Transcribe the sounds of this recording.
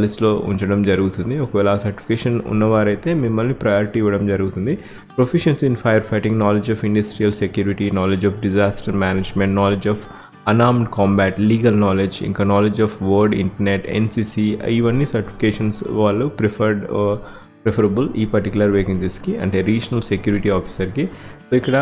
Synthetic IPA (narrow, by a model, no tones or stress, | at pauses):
pːlislo̞ːʔṵɲt͡ʃɐɽɐmd͡ʒɐɾuɡut̪und̪iokɐʋɛːlɐasɐɾʈi̥i̥keːʃɐnṵnːɐʋaːɾɐjt̪eːmimːɐlnipɾɐjoːɾiʈiːʋɐɽɐmd͡ʒɐɾuɡut̪und̪i | pɾopʰiʃɐnsinpʰɐjɐɾpʰɐjʈiŋɡnaːled͡ʒɔːfiɳɖɐsʈɾijɐlsekjuːɾiʈinaːled͡ʒɔːfɖid͡ʒaːsʈɐɾmaːneːd͡ʒmẽɳʈnaːled͡ʒɔːf | ɐnaːɾmɖkɔːmbæːʈliːɡɐlnaːled͡ʒḭŋkaːnaːled͡ʒɔːfʋoːɾɖḭɳʈɐɾneʈḛnsiːsiiʋɐnːisɐɾʈi̥pʰi̥keːʂɐnsʋaːɭːupɾeɐɾɖ | pɾepʰɐɾɐbulḭːpɐɾʈikjulɐɾʋeːkiŋd͡ʒeskiɐ̰ɳʈeːɾiːd͡ʒɐnɐlsekjuːɾiʈiɔːpi̥sɐɾkisoːikːɐɽɐ